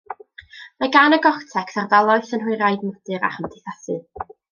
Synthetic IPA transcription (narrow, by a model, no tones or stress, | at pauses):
maɡanəɡɔχtʰɛkʰsarðalˠɔɨθənɦʊɨɾajdnɔd̥ɨɾa̰χəmdʰɪθasɨ̰